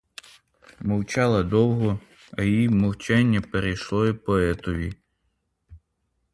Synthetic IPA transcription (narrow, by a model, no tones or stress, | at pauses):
mɔwt͡ʃɑlˠɐd̪ɔwɦɔ | ɐjjimɔwt͡ʃɛnʲːɐpeɾejʃlˠɔipɔɛt̪ɔʋʲi